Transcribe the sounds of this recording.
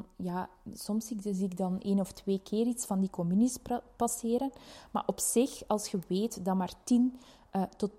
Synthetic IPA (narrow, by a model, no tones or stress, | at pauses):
jaː | sɔmsiziɪɡ̚dɑneːnɔftweːkʰeːɾitsfɑndikɔmynispɑsɪːɾənma̰ːrʔɔpsɪxɑlˠsxəweːtdɑmaːrtin | ʔtɔt